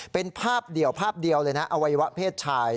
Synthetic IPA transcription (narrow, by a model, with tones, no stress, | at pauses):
pe˧npʰaː˥˩p̚di˨˩əwpʰaː˥˩p̚di˧əwlɤː˧jna˦˥ʔa˧wa˧jwa˦˥pʰeː˥˩t̪̚t͡ɕʰaː˧j